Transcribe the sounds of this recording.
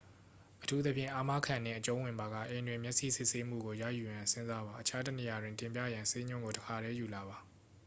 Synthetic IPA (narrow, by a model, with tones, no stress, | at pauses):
ʔətʰu˦t̪ə˦pʰjɪ̰̃˦˨ʔa˦˨ma˦kʰã˨nɪ̰̃˦˨ʔət͡ɕõ˦wɪ̃˨mba˨ɣa̰˦˨ʔẽ˨ndwɪ̃˨mjɛ˦ʔsḭ˦˨sɪ˦ʔse˦m̥ṵ˦˨ɡo˨jä̰˦˨ju˨jã˨nsɪ̃˦nza˦βa˨ʔət͡ɕʰa˦tə˦˨ne˨ja˨dwɪ̃˨ntɪ̃˨mp̬jä̰˦˨jã˨nse˦ɲʊ̃˦ŋɡo˨təkʰa˨ɾɛ˦ju˨la˨βa˨